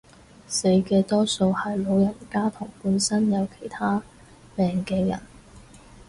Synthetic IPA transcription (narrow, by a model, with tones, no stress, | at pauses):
se˨˥jkɛː˧t̪ɔː˥so˧whɐ˨jlo˨˧wjɐ˨˩nkaː˥t̪ʰʊ˨˩ŋpuː˨˧nsɐ˥njɐ˨˧wkʰe̥˨˩jt̪ʰaː˥ | pɛː˨ŋkɛː˧jɐ̰˨˩n